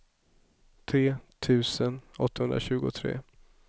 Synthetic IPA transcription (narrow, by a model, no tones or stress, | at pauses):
t̪ʰɾeːt̪ʰʉ̟ːsənɔt̪ːahɵnd̪ɾa̰ɕʉ̟ːɡʊt̪ʰɾḛː